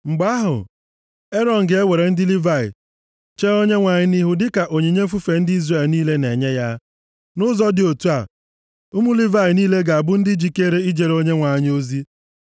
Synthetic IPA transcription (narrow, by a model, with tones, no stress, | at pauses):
ŋ͡m̩˨ɡ͡ba˦ɦʊ̰˨ | e˦ɾɔ˦n̩˨ɡe˨e˦we˨ɾe˨n̩˦dɪ˦li˦va˦˨ɪ̰˨ | t͡ʃe˦o˦ɲe˦ŋʷa˨ɲɪ˦ni˦ɦʊ˦dɪ˦ka˨ʔo˨ɲi˨ɲe˦fu˦fe˨n̩˦di˦zre˨lniː˦le˦ne˨ɲe˦ja˦ | nʊ˦zɔ˦dɪ˨o˨tu˦a̰˨ | ʊ˦mu˦li˦va˦˨ɪ˨niː˦le˦ɡa˨a˨bʊ˦n̩˦dɪ˦d͡ʒi˦ke˦ɾe˦i˦d͡ʒe˨ɾo˦ɲe˦ŋʷa˨ɲɪ˦o˦zi˦